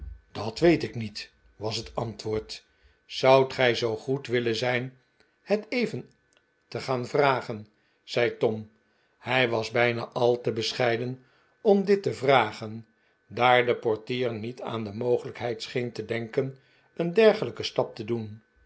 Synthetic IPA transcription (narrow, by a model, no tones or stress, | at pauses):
d̥ɑtʋejtɪknit | ʋɑsɦətɑntʋʊːɹt | sɑwtχɛjzowχutʋɪlənzɛjn | hətejvən | təχaːnvraːχən | z̥ɛjtɔm | hɛjʋɑzbɛjna̰ːʔɑlˠtəbəsχɛjdən | ɔmdɪtəvraːχən | daːɹdəpɔɹtiːɹnita̰ːndəmowχələkɦɛjtsχejntədɛŋkən | əndɛɹχələkəstɑp̚tədun